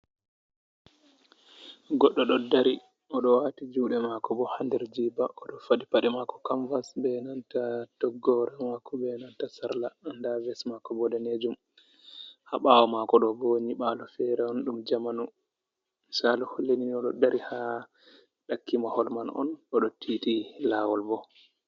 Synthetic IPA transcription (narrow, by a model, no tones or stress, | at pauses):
ɡɔɗːɔɗɔdaɾi | ɔɗɔwatid͡ʒuɗɛmakɔbɔhandɛɾd͡ʒibaʔɔɗɔfaɗipaɗɛmakɔ̥kaɱvasbɛnantatɔɡːɔɾɛmakːɔbɛnantasaɾlaandavɛsmakɔbɔdɛned͡ʒum | haɓawɔmakɔɗɔboɲiɓalɔfɛɾɛɔnɗumd͡ʒamanu | salɔholːeniniɔɗɔ̰daɾʔiha | ɗakːimahɔlmanɔ̰nʔɔɗɔtʰitilaːwɔlbɔ